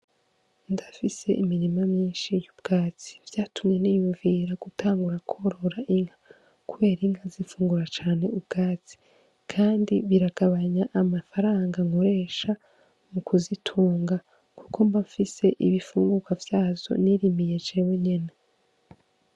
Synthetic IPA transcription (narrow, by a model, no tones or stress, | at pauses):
ndafise̞̰ʔimiɾimamɲiːnʃijubɡ̥aːt͡si̥vjaːtʰumɲe̞nijuɱviɾaɡ̥utʰaːŋɡuɾakʰoɾo̞ɾaʔiŋha | kuβe̞ːɾiŋɡazifuːŋɡuɾat͡ʃaːne̞ubɡ̥aːt͡si̥ | kʰaːndiβiɾaɡ̥aβaɲaʔamafaɾaːŋɡaŋho̞ɾe̞ʃa | mukʰuzitʰuːŋɡa | kukombafise̞ʔḭβifuːŋɡuɡwavjaːzo̞̰niɾimije̞d͡ʒeweɲe̞na